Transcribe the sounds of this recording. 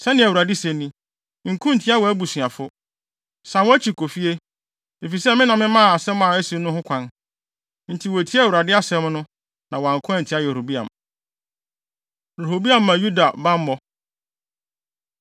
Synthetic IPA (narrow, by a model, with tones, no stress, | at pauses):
sɛ˦nɪ̃˨æ˨wu˨ɾa˨di˦sɛ̃˨nĩ˦ | ŋ̩˨kʰũ˦n̩˨tʰi˦a˦wɔ˨æ˦bu˨si˨a˨fʊ˦ | sã˨nwɔ˦æ˦t͡ɕʰi˨kʰo˨fi˦e˦ | de˨fi˨sɛ˦mɪ̃˦nã˨mːɪ̃˦mã˦˨a˨sɛ̃˦mã˨ɛ˦si˦nʊ̃˦hʊ̃˦kʷʰã˦n | n̩˨tʰi˨wo˨tʰi˦æ˦˨u˨ɾa˨dɪ˦a˦sɛ̃˦mnʊ̃˦ | nã˨wɔ˨a˨ŋ˨kʰʊ̃˦ã˦n̩˨tʰi˦a˦jɛ˨ɾo˨bi˦ã̰˨m | ɾo˨ho˨bi˦ã˦˨m̩ːã˨ju˦da˨bã˦mː˦ɔ˦